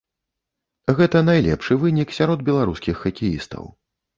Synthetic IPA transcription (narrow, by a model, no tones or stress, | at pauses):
ɣɛt̪ɐnajlʲɛ̰pʂɨvɨnʲiksʲaɾɔd̪̚bʲɛlˠaɾuskʲixːɐkʲijḭst̪ɐ̰w